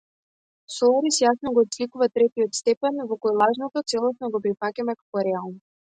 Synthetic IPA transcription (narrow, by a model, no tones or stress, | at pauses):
sɔaɾisjasnɔɡɔːt̪slikuvat̪ɾɛt̪iɔt̪st̪ɛpɛnvɔkɔjlˠaʒnɔt̪ɔt̪sɛlˠɔsnɔɡɔpɾifacʲamɛkḁkɔɾɛalˠn